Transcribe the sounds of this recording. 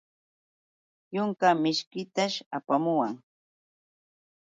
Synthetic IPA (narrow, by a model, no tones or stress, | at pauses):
jʊŋkamɪʃkɪt̪aʃapamʊwaŋ